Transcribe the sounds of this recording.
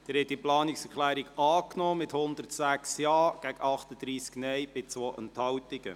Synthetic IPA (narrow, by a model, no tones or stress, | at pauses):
d̪̥ɛɾhɛt̚ːiplɑːnɪksɛɾklæːɾiɡɑːknɔːmɪthʊnd̪ətsæksjɑːɡ̥æɡɑχt̪əd̥̪ɾiːsknɛjb̥ɪt͡sʋoːʔənthɑwtɪɡ̥ə̰